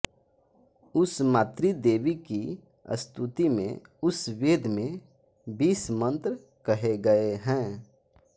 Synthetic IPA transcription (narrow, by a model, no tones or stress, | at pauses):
ʊsmaːt̪ɾid̪eːʋiki | ə̰st̪ut̪imḛ̃ʊsʋeːd̪ʱmẽ | biːsmə̃nt̪ɾ | kəɦeɡɐeɦɛ̃ː